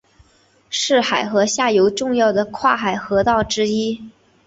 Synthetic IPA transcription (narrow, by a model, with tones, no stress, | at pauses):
ʂɻ̩˥˩xa˨˩ɪxɤ˧˥ɕja˥˩jo˧˥ʊʈ͡ʂʊ˥˧ŋjɑ˥˩ʊd̪ə˩kʰwa˥˩xa˨˩ɪxɤ˧˥t̪ɑ˥˩ʊʈ͡ʂɻ̩˥i˥